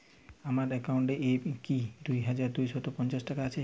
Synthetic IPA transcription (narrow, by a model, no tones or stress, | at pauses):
amaɾekawɳʈeʔekid̪ujɦad͡ʒaɾd̪ujsɔt̪opɔnt͡ʃasʈakaːt͡ʃʰe